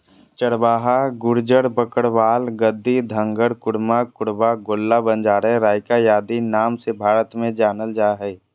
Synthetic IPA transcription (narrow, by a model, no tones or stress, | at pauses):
t͡ʃəɽbaːɦaɡʊɾd͡ʒəɽbəkəɽʋaːlɡəd̪ːid̪ʱə̃ŋɡəɽkʊɽmakʊɽbaɡoːlːabə̃nd͡ʒaːɾẽɾaːɪkajaːd̪inaːmsebʱaːɾət̪mẽd͡ʒaːnəld͡ʒaːɦɛː